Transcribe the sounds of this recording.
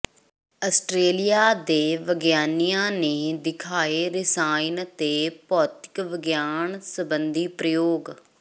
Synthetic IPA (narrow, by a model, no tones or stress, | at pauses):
əsʈɾeːlijaːd̪eːʋəɡjaːnijãːneːd̪ɪkʰaːeːɾɪsaːint̪eːpɔːt̪ɪ̥kʋəɡjaːnsəbənd̪iːpɾəjoːɡ